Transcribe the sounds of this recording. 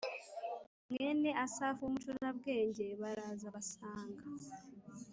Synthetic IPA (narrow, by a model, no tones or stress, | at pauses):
mene̞asaːfoːmutonnaβɡe̞ːɲɟeːβaɾaːzaβasaːŋɡa